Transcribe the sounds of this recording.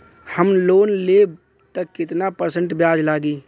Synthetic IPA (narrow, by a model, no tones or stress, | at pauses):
həmloːnleːb̚ | t̪əkːɪt̪napəɾsə̃ɳʈbjaːd͡ʒlaːɡiː